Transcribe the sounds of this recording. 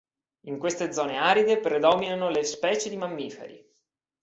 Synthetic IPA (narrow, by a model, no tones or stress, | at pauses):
iŋkwest̪ed̪zɔːneaːɾid̪epɾed̪ɔminanolespɛːt͡ʃed̪imamːiːfḛɾḭ